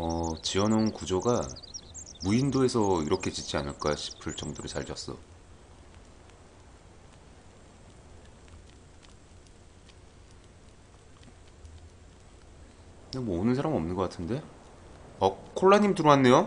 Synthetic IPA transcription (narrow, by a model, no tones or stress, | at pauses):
ʌt͡ɕiʌnaunkud͡ʑoɡa | muindoe̞sʰʌiɾʌkʰe̞t͡ɕit͡ɕ͈ia̰nɯɭk͈aɕʰi̥pʰɯɭt͡ɕʌŋdoɾɯɭsaʎd͡ʑʌs͈ʌ̰ | kɯnemwʌːnɯns̬ʰaɾamʌ̰mnɯnɡʌk͈atʰɯnde̞ | ʌkʰoɭːaɲimtuɾoɦanːe̞jo